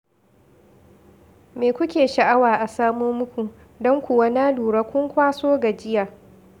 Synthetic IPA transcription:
meː˨kʷʊ˦kʲeː˨ʃa˨ʔa˦waː˨ʔa˨saː˦moː˦mʊ˦kʷu˨ | dɔ˦ŋkʷʊ˨wa˦naː˦duː˨ɽaː˦kʷʊ˦ŋkʷaː˦soː˦ɡa˨d͡ʒɪ˦jaː˨

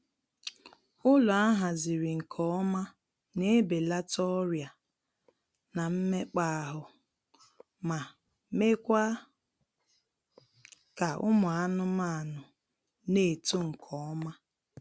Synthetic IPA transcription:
ʊ˦lʊ˨a˦ɦa˨zi˨ɾi˨ŋ̩˨kʰɔ˦ɔ˦ma˦ | ne˦be˨la˦tɔ˦ɾja˨ | na˨m̩˦me˦k͡pa˦˨ɦʊ˨ | ma˨ | me˦kʷa˦ | ka˨ʊ̰˦mʊ˨a˦nʊ˦ma˦˨nʊ˨ | ne˦˨to˦ŋ̩˨kʰɔ˨ɔ˦ma˦

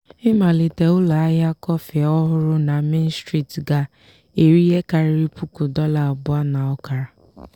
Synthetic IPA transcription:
ɪ˦ma˨li˨te˨ʊ˦la˨a˦ja˦kɔ˦fe˨ɔ˦ɦʊ˦ɾʊ˦na˨me˦n̩˦stɾi˦tɡa˦ | e˨ɾi˦ɦe˦ka˨ɾɪ˦ɾi˦pu˦ku˨dɔ˦la˨ɔ˨bʊ˦a˦na˨ɔ˦ka˨ɾa˨

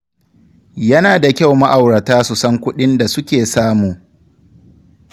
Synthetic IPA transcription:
jɐ˦naː˨da˨kʲa˦˨wma˦ʔa˨wɽɐ˨taː˦su˨sɐ˦ŋkʷʊ˦ɗɪ˦nda˨sʊ˦kʲeː˨saː˦muː˨

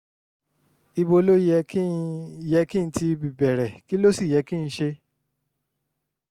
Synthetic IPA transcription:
i˧bo˧lo˦jɛ˧ki˦˧jɛ˧˦kĩ˦n̩˦ti˧bi˨bɛ˨ɾɛ˨ki˦lo˦si˦˨jɛ˨˦kĩ˦˧ʃe˧

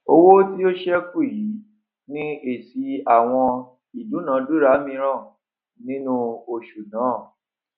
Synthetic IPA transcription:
o˧wo˦ti˦o˦ʃɛ˦ku˦˨ji˨˦ | nĩ˦e˦˨si˧a˦˨w̃ɔ̃˧ | i˨du˨˦nãː˨˦du˦ɾa˨˦mĩ˧ɾ̃ã˦˨ | nĩ˦nũ˦o˧ʃu˨nãː˨˦˨

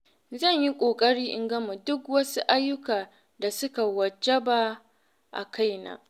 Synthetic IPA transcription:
zɐ˦˨ɲji˦kʷʼoː˨kʼɐ˦ɽiː˦ʔɪ˦ŋɡɐ˦mu˨dʊ˦kwɐ˦su˦ʔa˦jːʊ˦kaː˨ | da˨sʊ˦ka˨wɐ˨d͡ʒɐ˦ba˦ | ʔa̰˨kʰa˦jna̰ː˦

